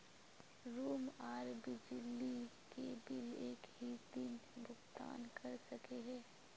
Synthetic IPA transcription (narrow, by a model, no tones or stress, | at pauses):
ɾuːmaːɾbid͡ʒɪlːikebɪleːkɦit̪iːnbʱʊɡt̪a̰ːnkʰɐɾsɐkeɦɛ̃ː